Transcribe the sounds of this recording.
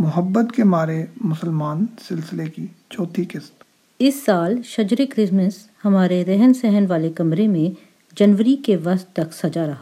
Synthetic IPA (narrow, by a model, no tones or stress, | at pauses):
mʊɦəbːət̪kemaːɾemʊsəlmaːnsɪlsɪleki | t͡ʃɔːt̪ʰikɪst̪ | ɪsːaːlʃɐd͡ʒɾekɾɪsməs | hɐmaːɾeɾɛɦɛnsɛɦənʋaːlekɐmɾemẽ | d͡ʒɐnʋəɾikeʋɐst̪t̪ɐksɐd͡ʒaɾɐɦa